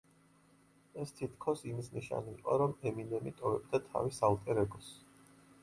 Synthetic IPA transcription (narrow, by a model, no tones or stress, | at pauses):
ɛst̪ʰit̪ʰkʰɔsimisniʃa̰nḭqʼɔ̰ɾɔmɛminɛmit̪ʼɔvɛb̚d̪at̪ʰa̰visalˠt̪ʼɛɾɛɡɔs